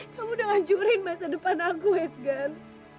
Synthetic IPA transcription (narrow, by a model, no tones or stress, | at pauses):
kamudaŋaɲd͡ʒuɾɪnmasadəpanakuhɛt̪̚ɡan